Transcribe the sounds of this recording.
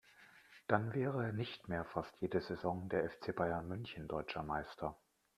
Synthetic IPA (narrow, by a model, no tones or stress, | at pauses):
d̥anvɛːʁəɛːɐnɪçtmeːɐfastʰjeːdəzezɔŋdeːɐʔɛft͡sebaɪɐnmʏnçn̩dɔʏt͡ʃɐmaɪstʰɐ